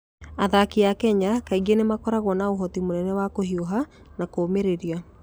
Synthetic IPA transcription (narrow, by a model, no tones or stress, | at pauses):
aðakiakɛɲakaiɣenemakɔɾaɣwɔnaoɦɔtimonɛnɛwakoɦioɦa | nakoːmeɾeɾia